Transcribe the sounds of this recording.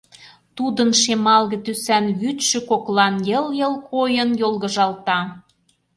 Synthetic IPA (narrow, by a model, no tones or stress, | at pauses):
t̪ud̪ə̆nʃemɑlɣɤ̆t̪ysænɣyt̪ʃø̆koklɑnjəljə̆lkojə̆njolˠɣɤ̆ʒɑlˠt̪ɑ